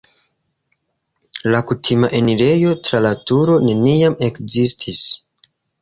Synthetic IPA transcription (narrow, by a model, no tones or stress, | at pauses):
lakutʰimaʔe̞niɾe̞jo̞tɾalatuɾo̞ne̞niame̞kzistʰis